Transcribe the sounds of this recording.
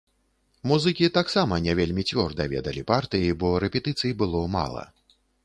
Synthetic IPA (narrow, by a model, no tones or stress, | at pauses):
muzɨkʲit̪aksamɐnʲɛvʲelʲmʲit͡sʲvʲɔrd̪ɐvʲɛ̰d̪ɐlʲipart̪ɨjibɔɾɛpʲɛt̪ɨt̪sɨjibɨlˠɔma̰lˠɐ̰